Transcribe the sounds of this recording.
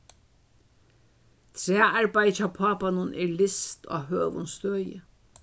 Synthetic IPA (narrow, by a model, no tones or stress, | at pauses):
t̪ʰɾɛːaɹbajt͡ʃapʰaːpanʊnʔɛɹlɪst̪ʰɔ̰ːɦøːʋʊ̰nst̪øːjə